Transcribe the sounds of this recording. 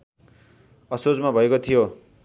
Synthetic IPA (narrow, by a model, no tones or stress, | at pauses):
ʌsod͡zmabʱʌekot̪ʰijo